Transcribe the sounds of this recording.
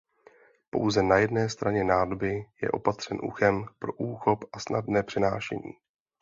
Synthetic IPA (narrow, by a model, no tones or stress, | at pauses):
po̞̰wzɛnajɛdnɛːst̪ɾʔaɲɛnaːdobɪjɛ̰ʔo̞̰pat̪r̥ɛnʔṵxɛmpɾo̞ʔuːxo̞pʔasnadnɛːpr̝̥ɪnaːʃɛ̰ɲḭː